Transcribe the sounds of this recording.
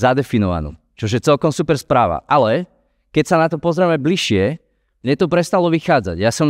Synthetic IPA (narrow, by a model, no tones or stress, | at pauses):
zad̪ɛfinɔʋa̰nṵ | t͡ʃɔʒjɛt͡sɛlkɔmsupɛɾspɾaːʋa̰ʔalɛ | kɛcsanat̪ɔpɔzɾɛmɛbliʃɪɛ | mɲɛt̪ɔpɾɛst̪alɔʋixaːd͡za̰ɟjasɔm